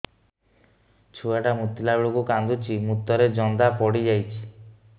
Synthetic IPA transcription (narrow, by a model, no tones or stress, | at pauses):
t͡ʃʰuaʈamut̪ːilabeɭukukand̪ut͡ʃʰimut̪ːɔɾed͡ʒɔnd̪apɔɽid͡ʒajt͡ʃʰi̥